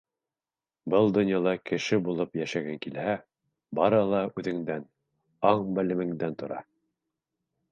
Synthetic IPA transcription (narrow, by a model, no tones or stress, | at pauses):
bɤlˠd̪ŏnjɑlˠɑkɘ̆ʃɘbulˠɤpjæʃæɡæŋkilhæ | bɑɾɤlˠɑʉðɘ̆ŋd̪æn | ɑɴbɘ̆lɘ̆mɘ̆ŋd̪ænt̪ʰŏɾɑ̰